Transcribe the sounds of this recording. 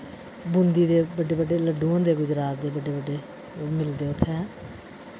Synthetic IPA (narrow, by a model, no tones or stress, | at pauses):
bʊnd̪iːd̪eːbəɖeːbəɖeːləɖũːãːd̪eːɡʊd͡ʒɾaːt̪̚d̪eːbəɖeːbəɖeː | mɪld̪eːʊt̪ʰːeɛ̃ː